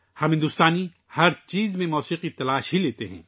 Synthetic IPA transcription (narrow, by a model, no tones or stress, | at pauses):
hɐmɦɪ̃nd̪ʊst̪aːni | hɐɾt͡ʃiːzmẽmɔːsiːqit̪ɐlaːʃɦileːt̪eɦɛ̰̃ː